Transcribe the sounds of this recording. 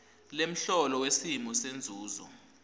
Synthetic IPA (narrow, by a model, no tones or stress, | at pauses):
lem̩ɬɔlɔwesimɔsend͡zʱuːzɔ̰